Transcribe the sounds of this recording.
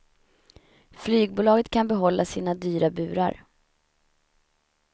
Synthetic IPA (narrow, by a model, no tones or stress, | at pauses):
flyːɡ̚buːlɑːɡət̪kʰanbɛɦɔlːʔasiːnad̪yːɾabʉ̟ːɾa̰ɾ